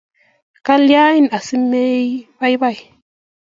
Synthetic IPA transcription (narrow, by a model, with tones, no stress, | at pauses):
ka˦lja˦i˦na˨si˦me˦jba˦jba˦˨j